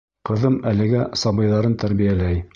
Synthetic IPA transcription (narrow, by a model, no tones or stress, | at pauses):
qɤ̆ðɤmælɘ̆ɡæsɑbɤ̆jðɑɾɤnt̪æɾβijælæj